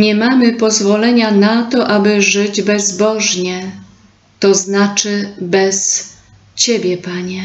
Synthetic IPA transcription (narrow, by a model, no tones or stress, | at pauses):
ɲɛmamɘpɔzvɔlɛɲanat̪ɔʔabɘʐɘd͡ʑbɛzbɔʐɲɛ | t̪ɔznat͡ʂɘbɛs | t͡ɕɛbʲjɛpaɲɛ